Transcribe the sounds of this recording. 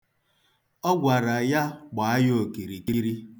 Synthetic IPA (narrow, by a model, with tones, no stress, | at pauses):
ɔ˦ɡʷa˨ɾa˨ja˦k͡pa˨a˦jo˦o˨ki˨ɾi˨ki˦ɾi˦